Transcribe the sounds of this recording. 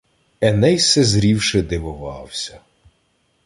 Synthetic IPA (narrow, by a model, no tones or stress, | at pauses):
ɛnɛjsɛzɾʲiwʃɪd̪ɪʋʊʋɑ̰wsʲɐ